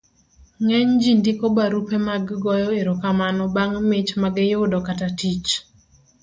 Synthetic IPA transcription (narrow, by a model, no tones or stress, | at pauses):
ŋɛɲd͡ʒindikobaɾupemaɡɡɔjɔeɾokamanɔbaŋmɪt͡ʃmaɡɪjodɔkatatit͡ʃ